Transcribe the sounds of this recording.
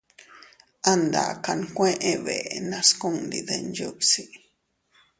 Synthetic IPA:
a˦nd̪a̰˨ka˨nkʷẽ˦ʔẽ˦˧βe˨nã˧sku˦ŋd̪ḭ˨ðe˨nju˦bsi˦

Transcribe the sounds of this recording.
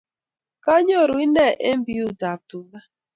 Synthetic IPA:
ka˦ɲ˦o˦˨ɾo˨i˦ne˦˨ʔe˦m̩˦bi˦u˦˨ta˨tu˨la˦

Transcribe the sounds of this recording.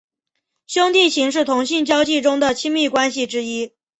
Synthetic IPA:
ɕjʊ˥ŋt̪i˥˩t͡ɕʰi˧˥ŋʂ̬ɻ̩˥˩t̪ʰʊ˧˥ŋɕi˥˧nt͡ɕjɑ˥ʊt͡ɕi˥˩ʈ͡ʂʊ˥ŋd̪ə˨t͡ɕʰi˥ŋmi˥˩kwa˥nɕi˨ʈ͡ʂɻ̩˥i˥

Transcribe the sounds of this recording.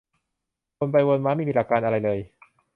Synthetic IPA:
ko˧npa˧jwo˧nmaː˦˥ma˥˩˨miː˧la˧˩kːaː˧nʔa˧ɾa˧jlɤː˧j

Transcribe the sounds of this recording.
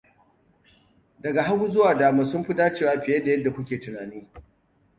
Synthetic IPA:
dɐ˨ɡa˨ɦa˦ɡuː˦zʊ˦waː˨daː˨maː˨sʊ˦mɸɪ˦daː˦t͡ʃeː˦˨waː˦ɸɪ˨jɐ˦da˨jɐ˦dːa˨kʷʊ˦kʲeː˨tʊ˨naː˨niː˦

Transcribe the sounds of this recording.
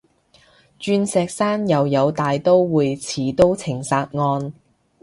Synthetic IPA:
t͡ʃyː˧nsɛː˧k̚saː˥njɐ˨wjɐ˨˧wt̪aː˨jt̪o˥wwuː˨˧jt͡sʰiː˨˥t̪o˥wt͡sʰɪ˨˩ŋsaː˧t̚ŋɔː˧n

